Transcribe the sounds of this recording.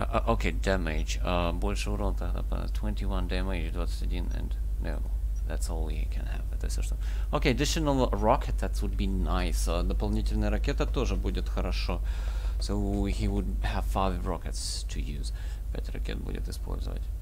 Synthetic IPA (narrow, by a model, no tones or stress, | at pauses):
ʔʔokʰeɪdæmed͡ʒ | ʌbɔlʲʃəuɾõlˠt̪ahða̰pa̰ztʰw̥ɛ̃ntiwʌ̃ndɛməiʒd̪ɔt̪st̪ɨdʲĩnɨ̰̃n | no̰ʊ | ðætsɔlˠḭkʰɨ̰̃nhæ̰vt̪əsoʃt̪o | oʊkeɪɐdɪʃənəlˠɹɑkʰɨt̪̚ðætwʊd̪̚binaɪsəd̪əpalˠnʲitʲɪlʲnəjəɾakʲɛt̪ət̪oʐəbudʲɪt̪xəɾɐʂɔsoʊhiwʊd̚həv̥faɪvɹɑkɨts | tʰɨjʉ̰z̥ | pɛ̰tʲɾa̰kʰʲɛ̰t̪bṵdʲɪ̰t̪̚dɨspʰo̰lʲzə̰və̰tʲ